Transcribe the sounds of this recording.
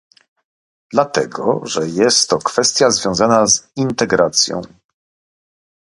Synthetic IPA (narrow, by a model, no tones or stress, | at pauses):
d̪̥lat̪ɛɡɔ̰ʐɛjɛst̪ːɔkfɛst̪ʲjazvʲjɔ̃w̃zanazint̪ɛɡɾat̪sʲjɔ̰̃w̃